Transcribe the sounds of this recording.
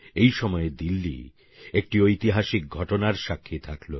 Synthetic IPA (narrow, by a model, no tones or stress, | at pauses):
ejʃɔmɔed̪ilːḭ | ek̚ʈiojt̪iɦaʃik̚ɡʱɔʈonaɾʃakʰːit̪ʰaklo